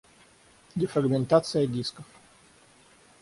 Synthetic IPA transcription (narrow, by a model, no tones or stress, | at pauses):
dʲɪfɾɐɡmʲɪnt̪at̪sɨjədʲiskəf